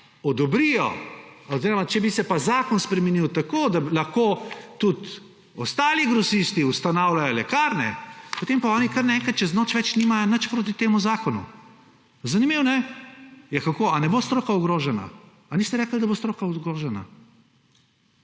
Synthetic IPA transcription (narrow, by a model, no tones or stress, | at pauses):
ɔd̪ɔbɾijɔ̰ɔziːɾɔmat͡ʃɛbisɛpazaːkɔnspɾɛmɛniwt̪akod̪alɐxkoːt̪ut̪ | ɔst̪aːliɡɾɔsist̪iust̪anawlajɔlɛkaːɾnɛ̰pot̪empaɔːnikɐɾnaɛ̃ŋkɐt̪t͡ʃɛznoːt͡ʃʋɛt͡ʃniːmajɔnət͡ʃpɾoːt̪̬it̪eːmuzaːkɔnṵ | zɐnimiːwnɛ | jakakoanɛbost̪ɾoːkauɡɾoːʒɛna̰ː | nist̪ɛɾɛːkəld̪ɐbost̪ɾoːkauɡɾoːʒɛna̰